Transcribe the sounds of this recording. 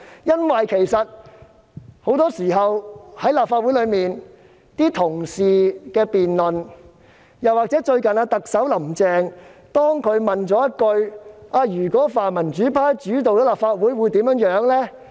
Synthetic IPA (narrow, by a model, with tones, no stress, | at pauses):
jɐ˥nwɐ˨jkʰe˨˩jsɐ˨t̚ | ho˨˥wt̪ɔː˥siː˨˩ɦɐ˨whɐ˨˥jlaː˨˩p̚faː˧u˨˥lɵ˨˧ɥmiː˨n | t̪iː˥t̪ʰʊ˨˩ŋsiː˨kɛː˧piː˨nlɵ˨n | jɐ˨˩waː˨k̚t͡sɛː˨˥t͡ʃɵ˧ɥkɐ˨˩naː˧t̪ɐ˨k̚sɐ˨˥wlɐ˨˩mt͡sɛː˨˧ŋt̪ɔː˥ŋkʰɵ˨˧ɥmɐ˨nt͡sɔː˨˥jɐ˥t̚kɵ˧ɥʔaː˧jyː˨˩kɔː˨˥faː˨nmɐ˨˩nt͡ʃyː˨˥pʰaː˥jt͡ʃyː˨˥t̪o˨wt͡sɔː˨˥laː˨pfaː˧t̚wuː˨˥jwuː˨˧jt̪i˨˥mjœː˨˥ŋjœː˨˥ŋlɛː˥